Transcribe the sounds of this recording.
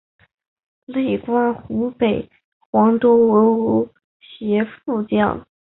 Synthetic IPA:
le˥˩ɪkwa˥nxu˧˥pe˨˩ɪ | xwɑ˧˥ŋʈ͡ʂo˥ʊwə˧˥u˧˥ | ɕjɛ˧˥fu˥˧t͡ɕjɑ̰˥˩ŋ

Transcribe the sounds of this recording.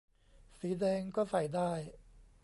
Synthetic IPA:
siː˩˦dɛː˧ŋkɔː˥˩sa˨˩jdaː˥˩j

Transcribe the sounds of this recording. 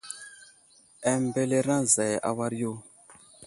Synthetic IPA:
ɛ˨mbe˦le˦ɾã˦za˨jʔa̰˨wa˦ɾjo˦

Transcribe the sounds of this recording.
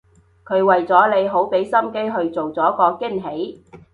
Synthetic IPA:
kʰɵ˨˧ɥwɐ˨jt͡sɔː˨˥le˨˧jɦo˨˥wpe˨˥jsɐ˥mke˥jɦɵ˧ɥt͡so˨wt͡sɔː˨˥kɔː˧kɪ˥nɦe˨˥j

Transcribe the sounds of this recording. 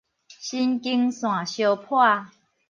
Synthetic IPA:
ɕi˦nki˦ŋsw̃ã˨˩ɕjo˧pʰwa˥˧˨

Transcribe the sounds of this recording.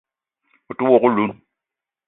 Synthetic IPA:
ʊ˨tu˦wɔ˨ɣʊ˦lu˨˦n

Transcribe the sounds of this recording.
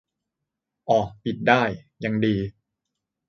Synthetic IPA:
ʔɔː˨˩pi˨˩t̪̚daː˥˩jja˧ŋdiː˧

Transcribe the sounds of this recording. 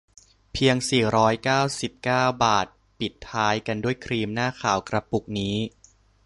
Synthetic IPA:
pʰi˧əŋsiː˨˩ɾɔː˦˥jkaː˥˩wsi˨˩p̚kaː˥˩wbaː˨˩t̪̚ | pi˨˩t̪ʰːaː˦˥jka˧ndu˥˩əjkʰɾiː˧mnaː˥˩kʰaː˩˦wkɾa˧pu˨˩k̚niː˦˥

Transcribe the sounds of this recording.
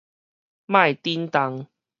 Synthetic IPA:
mã˥˧˨jt̪i˦nt̪a˨˦ŋ

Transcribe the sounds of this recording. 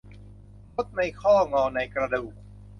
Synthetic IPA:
mo˦˥t̪̚ma˧˩jkʰɔː˥˩ŋɔː˧˩na˧jkɾa˧duː˨˩k̚

